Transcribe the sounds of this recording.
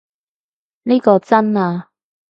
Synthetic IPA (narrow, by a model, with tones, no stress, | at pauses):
niː˥kɔː˧t͡sɐ˥naː˧